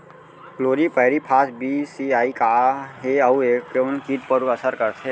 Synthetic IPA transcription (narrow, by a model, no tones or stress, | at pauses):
kloːɾipəɦɾipʰaːsbiːsiaːikaɦeɐueːkkɾemənkiːʈ̚pəɾuəsəɾkəɾt̪ʰe